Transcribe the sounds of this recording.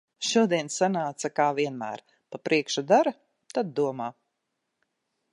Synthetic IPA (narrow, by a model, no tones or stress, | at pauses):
ʃuɔd̪iɛnsanaːt̪sakaːviɛnmæ̰ːɾ | papɾʔiɛkʃud̪aɾa | t̪ad̪̚ːuɔmaː